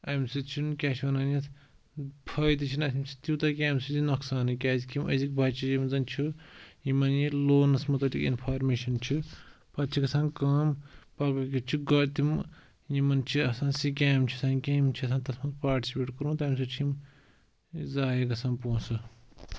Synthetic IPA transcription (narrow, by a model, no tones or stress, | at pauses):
ɐmsit͡ʃʰinkʲaːt͡ʃʰiwɐnaːnji | pʰɐjt̪̬ɨt͡ʃʰinɐsimt͡ʃʰi̥t̪it̪ɐkʲaːmsizinɐksaːnɨkʲaːzikimɐ̰zik̚bʱɐt͡ʃʰijimzɐnt͡ʃʰujimɐnjiloːnɐsmɐt̪ɐlikḭnpʰaːɾmeːʃɐnt͡ʃʰi | pɐt̪t͡ʃʰikɐsãːnkɐːmpɐkɐkʲit͡ʃʰiɡɐt̪im | jimɐnt͡ʃʰiɐsãːnsik̬ʲaːmt͡ʃʰisaːnkʲaːmt͡ʃʰiɐs̬ãːnt̪ɐsmɐpaːɾʈi̥sipeːʈkɐɾũːt̪ɐmsit͡ʃʰim | zaːjiɡɐsaːnpõːsɨ